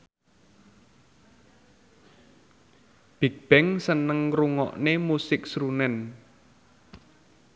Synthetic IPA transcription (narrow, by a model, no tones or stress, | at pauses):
b̥i̤k̚b̥ɛŋsənəŋruŋɔ̰ʔnemusɪksɾunɛn